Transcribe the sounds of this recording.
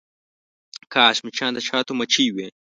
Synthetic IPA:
kaːɕmit͡ʃʰãːnd̪ɐt͡ʃʰaːt̪omɐt͡ʃʰiːwe

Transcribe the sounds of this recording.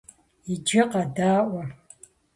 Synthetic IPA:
id͡ʒɪqʼadaːʔʷa

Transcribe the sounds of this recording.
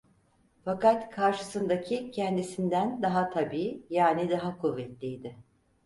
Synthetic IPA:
fakat̪kʰaɾʃɯsɯnd̪acʰicʰɛnd̪isind̪ænd̪aɦat̪ʰabiːjaːnid̪aɦakʰuvːɛt̪lʲijd̪ɪ

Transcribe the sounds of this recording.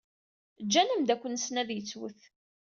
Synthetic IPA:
d͡ʒːænəmd̪ækʷːənsnæðjət͡sːwə̰θ

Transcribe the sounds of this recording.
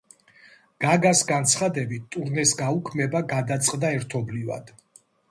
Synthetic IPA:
ɡ̥aɡasɡant̪sʰχad̪ɛbit̪t̪ʼuɾnɛsɡaukʰmɛbaɡad̪at̪sʼqʼd̪aɛɾt̪ʰɔbliva̰d̪̥

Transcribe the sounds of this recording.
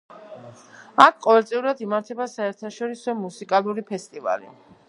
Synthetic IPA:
akʰqʼɔvɛlt̪sʼiuɾad̪imaɾt̪ʰɛbasaɛɾt̪ʰaʃɔɾisɔmusikʼalˠuɾipʰɛst̪ʼiva̰lḭ

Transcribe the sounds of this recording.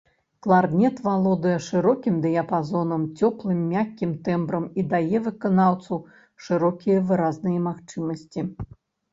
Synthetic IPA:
klˠard̪nʲɛt̪valˠɔd̪ɨjɐʂɨɾɔkʲimd̪ɨjɐpazɔnɐmt͡sʲɔplˠɨmːʲakʲːimt̪ɛmbɾɐmid̪ajɛvɨkanawt̪sɐw | ʂɨɾɔkʲijɐvɨɾaznɨjɐmaxt͡ʂɨmɐsʲt͡sʲi

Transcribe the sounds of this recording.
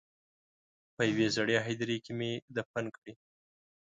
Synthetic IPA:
pəjawezaɽeɦajd̪aɾikemed̪əp̚ankɽi

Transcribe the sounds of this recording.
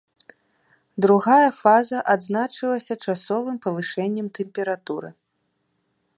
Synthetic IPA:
d̪ɾuɣajɐfazɐʔad̪znat͡ʂɨlˠɐsʲɐt͡ʂasɔvɨmpɐvɨʂɛnʲːɛmt̪ɛmpʲɛɾat̪uɾɨ̰

